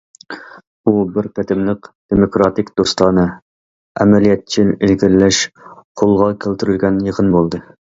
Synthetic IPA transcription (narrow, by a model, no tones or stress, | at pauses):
ubɪɾpʲʰæt̪ʰɪmlɪqd̪̥emokɾɑt̪ɪkʲd̪̥ost̪ɑnɨ | ɛ̰mɛlijɛt̪̚t͡ʃʰɪɪlɡʲɪɾlɛʃqʰolˠʁɑkʲʰelt̪yɾylɡʲɛnjəqʰənbolˠd̪ɨ